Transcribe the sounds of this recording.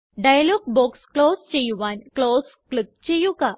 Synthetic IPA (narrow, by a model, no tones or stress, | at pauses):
ɖajloɡ̚bɔksklost͡ɕejuʋanklosklik̚t͡ɕejuɡa